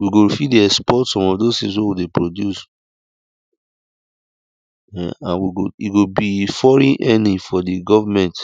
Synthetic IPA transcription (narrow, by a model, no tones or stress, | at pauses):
wiɡofidiɛspɔtsɔ̃mɔvdoztĩs̬wewidepɹodjus | ɛã̰nwiɡoiɡobifɔɹĩnʔɛnĩfɔdiɡɔvamɛ̃nt